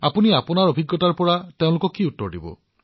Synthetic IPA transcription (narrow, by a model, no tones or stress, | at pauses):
apuniapɔnaɹobʱiɡːɔtaɹpɔɹateʊ̃lukɔkiutːɔɹɖḭbɔ̰